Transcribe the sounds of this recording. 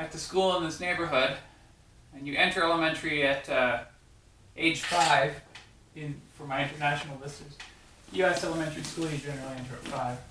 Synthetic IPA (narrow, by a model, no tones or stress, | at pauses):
ɨt̪̚ðɨskulˠə̃nðɪsneɪbə˞ɦʊd | ɨ̃njɨʔɛ̃ntʰə˞ɛlˠəmɛ̃ntə˞iɨɾ | ʔeɪd̥ʒ̥faɪv̥ | ɪ̃nfə˞maɪɪ̃ntə˞næʃn̩l̩ˠlɪsə˞z̥ | jʉɛsɛlˠəmɛ̃ntə˞iskulˠjɨd͡ʒɛ̃nə˞l̩ˠiɛ̃ntə˞ɨtfaɪv̥